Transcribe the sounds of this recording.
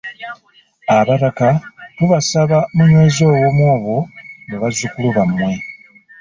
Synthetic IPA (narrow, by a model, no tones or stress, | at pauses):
aβaɾakatuβasaβamuɲwe̞zo̞ːwomwoːβoŋɡeβazukuluβamːwe̞